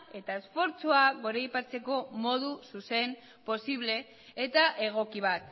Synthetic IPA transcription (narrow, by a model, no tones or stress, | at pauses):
e̞t̪aesfo̞ɾt͡suaɣo̞ɾejpat͡se̞ko̞mo̞ðususe̞m | po̞siβ̞le̞ː | t̪aʔe̞ɣ̞o̞kiβ̞at̪